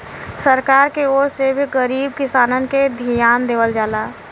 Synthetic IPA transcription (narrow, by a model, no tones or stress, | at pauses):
səɾkaːɾkeoːɾsebʱiɡəɾiːb̚kɪsaːnənked̪ʱijaːnd̪eːʋəld͡ʒaːlaː